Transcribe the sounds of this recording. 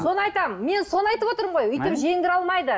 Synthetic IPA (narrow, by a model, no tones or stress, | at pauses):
so̞nəɑjt̪ɑməme̞nso̞nɑjt̪əpwo̞t̪əɾəmʁo̞jʏjt̪ɪpʒe̞ŋɡ̪ʲɪɾɑlˠmɑjd̪ə